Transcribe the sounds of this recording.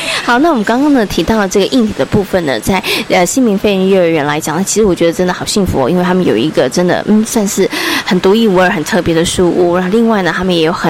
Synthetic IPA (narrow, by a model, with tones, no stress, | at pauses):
xɑ˨˩ʊna˥˩wɔ˨˩mə˦ŋkɑ˥ŋkɑ˥ŋd̪ə˨˩t̪ʰi˧˥t̪ɑ˥˩ʊlə˩ʈ͡ʂɤ˥˩ɡə˩ʔi˥˩nt̪ʰi˨˩d̪ə˦pu˥˩fə˨˩nnə̰˩t͡sa˥˩ɪə˧ɕi˥nmi˧˥ŋfe˥˩ɪɻə˧˥nɥɛ˥˩ə˞˧˥ɥɛ˧˥nla˧˥ɪt͡ɕjɑ˨˩˦na˥˩t͡ɕʰi˧˥ʂɻ̩˧˥wɔ˨˩t͡ɕɥɛ˧˥d̪ə˧ʈ͡ʂə˥nd̪ə˨xɑ˨˩ʊɕi˥˩ŋfṵ˧˥˧i˥nwe˥˩t̪ʰa˥mə˨njo˨˩ʊi˧˥ɡə˧ʈ͡ʂə˥nd̪ə̰˨˩n̩˥˩sa˥˧nʂɻ̩˥˩xə˨˩nt̪u˧˥i˥˩wu˧˥ə˞˧˥xə˨˩nt̪ʰɤ˥˩pjɛ˧˥d̪ə˧ʂu˥˧ṵ˥˩a˧˥o˥˧li˥˧ŋwa˥˩ɪnə˩t̪ʰa˥mə˨njɛ˧˥jo˧˩ʊxə˨˩n